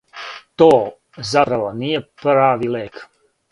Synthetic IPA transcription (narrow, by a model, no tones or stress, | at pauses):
t̪oː | zapɾaʋonijepɾaːʋileːk